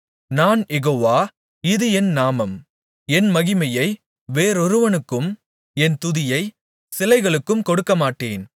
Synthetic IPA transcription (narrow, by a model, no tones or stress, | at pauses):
naːnjɛɣoːʋaː | ɪðɯɛnnaːmɐm | ɛnmɐɣɪmɐjɐɪ | ʋeːɾɔɾɯʋɐnɯkːɯm | ɛnt̪ʊðɪjɐɪ | sɪlɐɪɣɐɭɯkːɯmkɔɽɯkːɐmaːʈːeːn